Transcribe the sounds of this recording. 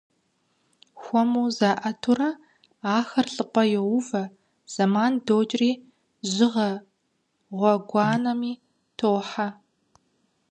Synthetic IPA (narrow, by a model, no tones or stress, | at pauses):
xʷɔmuːzaːʔɐtʰurɐ | aːxɐrɬʼɨqʷʼɔjɛwʊvɐ | z̥ɐmaːndoːd͡ʒʼriː | ʑɪʁɐ | ʁʷɔɡʷɑːnɐmiː | tʰowħa